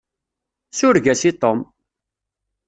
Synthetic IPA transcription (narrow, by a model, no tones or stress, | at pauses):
sʊɾʝæsit̪ˤom